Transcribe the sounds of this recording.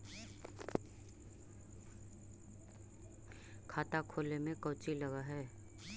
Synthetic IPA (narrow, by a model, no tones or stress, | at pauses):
kʰaːt̪akʰoːlemẽkəʊt͡ʃiləɡaɦɛː